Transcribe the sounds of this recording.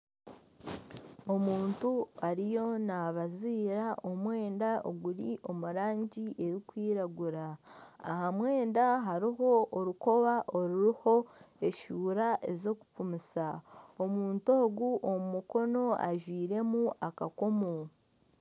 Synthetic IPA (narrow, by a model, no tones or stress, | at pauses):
o̞muːntuaɾijo̞naβaziːɾaʔo̞mwe̞ːndaoɡuɾiʔo̞muɾaːɲɟiʔe̞ɾikwiːɾaɡuɾaːhamwe̞ːndaɦaɾiɦo̞oɾuko̞βaʔo̞ɾuɾiho̞e̞ʃuːɾaʔe̞zo̞kupumisao̞muːnto̞ːɡuʔomumuko̞no̞aʒwiːɾe̞muʔakako̞mo